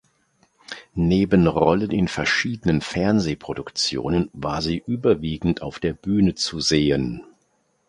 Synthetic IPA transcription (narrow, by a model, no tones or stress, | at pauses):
neːbənʁɔlənɪnfɛɐʃiːdənənfɛɐnzeːpʁ̥odʊkt͡sjo̰ːnənvaːɐziːʔyːbɐviːɡŋ̩tʰaʊfd̥eːɐbyːnət͡suzeːən